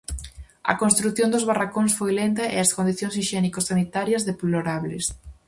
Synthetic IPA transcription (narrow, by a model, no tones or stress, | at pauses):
ɐ̰konst̪ɾuθjõnd̪ʊzβarakoŋsfojlent̪ɐʔḛɐskond̪iθjõŋsiʃɛnikosːanit̪aɾjɐzðeploɾaβles